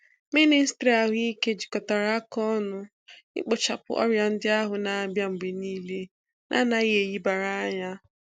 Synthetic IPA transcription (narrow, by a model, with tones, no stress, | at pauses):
mi˦ni˦stɾi˨a˨ɦi˦ke˦d͡ʒi˨kɔ˨ta˨ɾa˨˦a˦kɔ˦nʊ˦ | ɪ̰˦k͡po˨t͡ʃa˨pʊ̰˨˦ʔɔ̰˦ɾja˨n̩˦dɪ˦a˦ɦʊ˨na˨a˨bja˦ŋ͡m̩˨ɡ͡be˨niː˦le˦ | nʔa̰˦na˦i˦ɦe˨ji˦ba˨ɾa˦ɲa˦